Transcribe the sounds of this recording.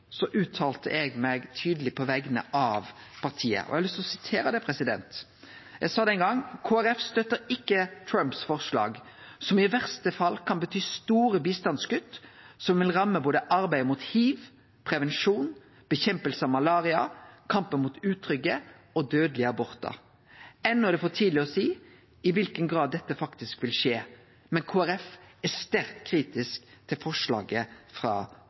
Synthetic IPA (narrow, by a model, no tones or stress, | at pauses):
sɔʔʉːt̪ʰɑːlt̪ə̰ʔɛɡmɛɡt̪ʰyːd̪əlɪpʰɔʋɛɡənə̰ʔɑʋ | pʰɑʁt̪ʰiːə̰ʔɔ̰ʔɛhlʏst̪lɔsɪt̪ʰeːɾəd̪ɛpʰʁɛsɪd̪ɛ̰nt̪ | jɛɡsɑːd̪ɛnɡɑŋkʰoːæɾɛfst̪œt̪ːəɾɪkːət̪ʰɾœmpsfɔʁʂlɑ̰ːɡ | sɔmɪʋæʁst̪əfɑlːkʰɑnbət̪ʰyːst̪uːɾəbiːst̪ɑnsɡʉt̪ːsɔmʋɪlʁɑmːəboːd̪əʔɑɾbæɪmut̪hiːʋ | pʰʁɛʋɛnʂuːn | b̥əçɛmpəlsəɑʋmɑlɑːʁɪɑ̰kʰɑmpənmuːt̪ʉːt̪ʰːɾʏɡə | ɔd̪øːd̪lɪəɑbɔʁt̪ɑ̰ | ɛnːɔæd̪ɛfoːʈʰiːd̪lɪɔsiː | ɪʋɪlkənɡɾɑːd̪ːɛt̪ːəfɑkt̪ɪskʋɪlʂeː | mɛnkʰoːæɾɛfæst̪æɾkt̪kʰɾiːt̪ɪskt̪ʰɪlfɔʂlɑ̰ːɡəfɾɑ̰ː